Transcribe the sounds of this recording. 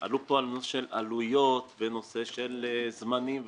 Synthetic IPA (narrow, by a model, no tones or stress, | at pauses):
a̰lupo̞alnosʃela̰lujo̞t̪veno̞se̞ʃelzmanimv